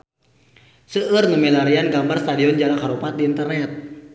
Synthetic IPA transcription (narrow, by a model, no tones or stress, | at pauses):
səʔərnəmilaɾianɡambarst̪adiɔnd͡ʒaɾakaɾupat̪̚diːnt̪ərnɛt̪̚